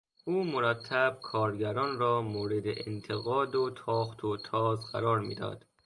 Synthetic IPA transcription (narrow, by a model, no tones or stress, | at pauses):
ʔuːmoɾæt̪ʰːæb̥̚kʰɒːɾɟæɾɒːnɾɒːmoːɾed̪eʔent̪ʰeɣɒːd̪ot̪ʰɒːχt̪ʰot̪ʰɒːzɢæ̰ɾɒːɾmḭːd̪ɒ̰ːd̪̥